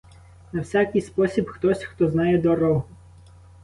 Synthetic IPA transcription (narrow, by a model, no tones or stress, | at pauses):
nɐwsʲakɪjspɔsʲibxt̪ɔsʲxt̪ɔznɑjɛd̪ɔɾɔɦʊ